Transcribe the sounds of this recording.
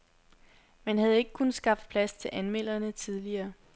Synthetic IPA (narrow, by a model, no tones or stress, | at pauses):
mænɦæð̞̩ˠe̝ɡ̥ə̥kʰunəsɡ̥ɑ̈fd̥̚pʰlæst͡sʰe̝lʔænmel̰ɐnət͡sʰið̞ˠliɐː